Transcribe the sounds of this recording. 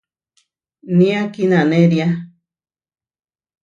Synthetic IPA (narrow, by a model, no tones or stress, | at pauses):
nĩakinãnẽɾia